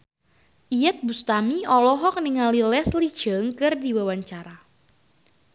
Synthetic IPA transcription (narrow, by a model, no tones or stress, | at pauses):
ʔijɛt̪̚bust̪amiɔlɔɦɔk̚niŋalilɛsli̥d͡ʒ̥əŋkɨrdiwawaɲt͡ʃaɾa